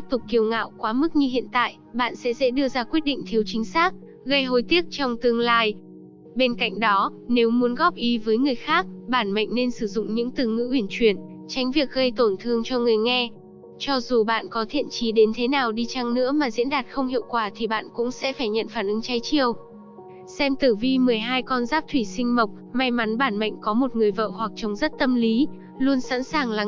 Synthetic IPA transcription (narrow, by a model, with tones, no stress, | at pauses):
t̪i˦˥p̚t̪ʊ˨˩k͡p̚kːi˨˩əwŋa̰ː˧˨wkwaː˨˦mɨ˦˥k̚ɲɨ˧ɦḭ˧˨ənt̪a̰ː˧˨j | ɓa̰ː˧˨nsɛ̰˧˥zɛ̰˧˥ɗɨ˧əzaː˧kwi˦˥ət̚ɗḭ̈˧˨ŋ̟t̪ʰi˨˦əwt͡ɕï˨˦ŋ̟saː˦˥k̚ | ɣə˧jɦo˧jt̪i˦˥ək̚t͡ɕɔ˧wŋ͡mt̪ɨ˧əŋlaː˧j | ɓe˧nka̰˧˨jŋ̟ɗɔ˨˦ne˨˦wmu˨˦ənɣɔ˦˥p̚ʔi˨˦vəː˨˦jŋɨ˨˩əjxaː˦˥k̚ɓaː˧˩nma̰˧˨ŋ̟ne˧nsɨ˧˩zʊ̰˧˨ŋ͡mɲɨ̰˧˥ŋt̪ɨ˨˩ŋɨ̰˧˥wi˧˩ənt͡ɕwi˧˩ən | t͡ɕa˨˦jŋ̟vi˨˩ək̚ɣə˧jt̪o˧˩nt̪ʰɨ˧əŋt͡ɕɔ˧ŋɨ˨˩əjŋɛ˧ | t͡ɕɔ˧zu˨˩ɓa̰ː˧˨nkɔ˨˦t̪ʰḭ˧˨ənt͡ɕi˨˦ɗe˨˦nt̪ʰe˨˦naː˨˩wɗi˧t͡ɕa˧ŋnɨ̰˧˥əmaː˨˩zḭ˧˥ənɗaː˨˩t̚xə˧wŋ͡mhḭ˧˨əwkwaː˧˩t̪ʰi˨˩ɓa̰ː˧˨nkʊ̰˧˥ŋ͡msɛ̰˧˥faː˧˩jɲə̰˧˨nfaː˧˩nʔɨ˨˦ŋt͡ɕa˨˦jt͡ɕi˧˩əw | sɛ˧mt̪ɨ˧˩vi˧mɨ˨˩əjɦaː˧jkɔ˧nzaː˦˥p̚t̪ʰwi˧˩sï˧ŋ̟mə˨˩wk͡p̚ma˧jma˨˦nɓaː˧˩nma̰˧˨jŋ̟kɔ˨˦mo˨˩t̚ŋɨ˨˩əjvə̰ː˧˨hwa˨˩k̚t͡ɕə˨˦wŋ͡mzə˦˥t̚t̪ə˧mli˨˦ | lu˧ənsa̰ː˧˥nsaː˨˩ŋlaː˨˩